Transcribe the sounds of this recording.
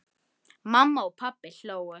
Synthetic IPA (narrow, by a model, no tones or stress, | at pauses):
mamːaʊpʰabɛɬɔwɛ